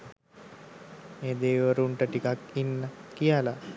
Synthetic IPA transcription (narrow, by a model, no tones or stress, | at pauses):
meːd̪eːʋəɾuɳʈəʈikakinːəkijala